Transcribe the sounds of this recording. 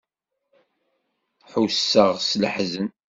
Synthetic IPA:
ħusːəʁsləħzən

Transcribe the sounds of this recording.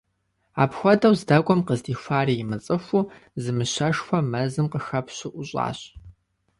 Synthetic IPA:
a̰ːpxʷɔdɐwzdɐɡʷʼɔmqəzdiːfʷaːriːjɪmɨt͡sʼɨxʷuː | zɨmɨɕɐʂxʷɔmɐzɨmqəxɐpʰɕɪʔʊɕʼa̰ːɕ

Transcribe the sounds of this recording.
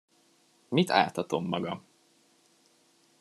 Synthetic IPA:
mit̪ʰa̰ːt̪ɒt̪o̞mːɒɡɒm

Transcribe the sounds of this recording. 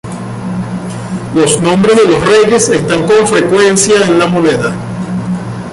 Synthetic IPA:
lo̞snõ̞mbɾe̞zðe̞lo̞sre̞ʝe̞se̞st̪aŋko̞ɱfɾe̞kwe̞nsjaenlamone̞ða

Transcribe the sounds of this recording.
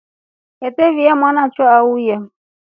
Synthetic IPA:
ɛtɛvijamanat͡ʃwaauja

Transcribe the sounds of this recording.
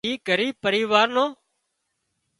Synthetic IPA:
iːɡəɾiːpəɾiːʋaːɾnoː

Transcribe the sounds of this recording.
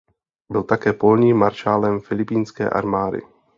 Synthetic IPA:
bɪlt̪akɛːpolɲiːmːaɾʃaːlɛmfɪlɪpiːnskɛ̰ːʔa̰ɾmaːdɪ̰

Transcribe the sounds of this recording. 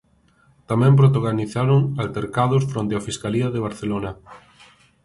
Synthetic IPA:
t̪amɛ̃mp̬ɾot̪̬aɣaniθaɾoŋalt̪eɾkað̞ʊsfɾõnt̪eafiskaliaðeβ̞aɾθelona

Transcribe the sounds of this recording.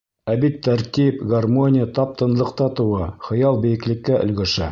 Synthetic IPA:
æbit̪ːæɾt̪ʲipɡarmonʲɪjət̪ɑp̚t̪ɤ̆nlˠɤ̆qt̪ɑt̪ɤ̆wɑχɤ̆jɑlˠbɘ̆jɘ̆klɘ̆kːæʔɵ̆lɡɵ̆ʃæ̰

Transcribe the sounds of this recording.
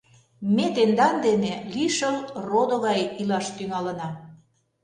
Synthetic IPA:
met̪end̪ɑnd̪eneliʃəlrod̪oɣɑjilɑʃt̪yŋɑlə̆nɑ

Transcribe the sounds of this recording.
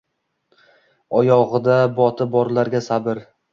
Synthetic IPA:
ɒjɒʁɨd̪abɒt̪ʰɪbɒɾlaɾɡʲasabɪɾ

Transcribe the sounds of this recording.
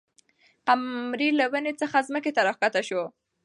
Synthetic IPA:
qamɾilawənet͡səxazməket̪aɾɑxkat̪aʃo

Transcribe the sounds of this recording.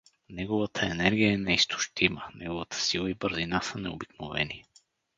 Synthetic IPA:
nɛɡovət̪ʰəɛnɛɾɡʲijəɛnɛist̪ʰʊ̥ʃt̪imənɛɡovət̪ʰə̥silˠəibəɾzinasənɛobiknovɛ̰ni

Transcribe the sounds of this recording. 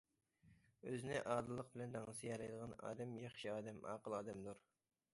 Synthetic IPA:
øzɪnɪʔɑːd̪ɨlˠːəqbɪlɛnd̪ɑŋɨsɨjɛlɛjd̪əʁɑnɑ̰ːd̪ɛmjɑχʃiɑːd̪ɛmɑ̰ːqəlˠɑːd̪ɛmd̪uɾ

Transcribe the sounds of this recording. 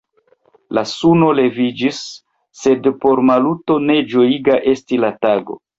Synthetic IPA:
lasuno̞le̞vid͡ʒisː | e̞dpo̞ɾmaluto̞ne̞d͡ʒo̞iɡaʔe̞stilataɡo̞̰

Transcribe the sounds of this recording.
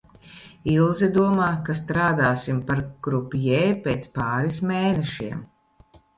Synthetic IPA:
ilˠzɛd̪uɔmaːkast̪ɾaːd̪aːsimpaɾɡ̥ɾupjɛjpeːt̪spaːɾismeːnɛʃiɛm

